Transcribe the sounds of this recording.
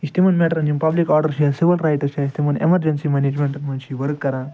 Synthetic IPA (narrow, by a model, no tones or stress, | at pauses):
ist̪imɐnmeʈɐɾɐnd͡ʒimpɐblikɔːɾɖɐɾʃiɐlsiʋilɾajʈɐʃaist̪imɐnḛmɐɾd͡ʒɐnsimened͡ʒmeɳʈɐnmɐnʃiʋɐɾkkːɐɾa